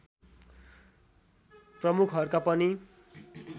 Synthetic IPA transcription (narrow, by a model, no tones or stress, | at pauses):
prʌmukʰɦʌɾukapʌni